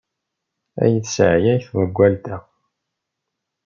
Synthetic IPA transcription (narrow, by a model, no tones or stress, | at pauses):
æ̰jəðsʕjæjθwæɡʷːælt̪æ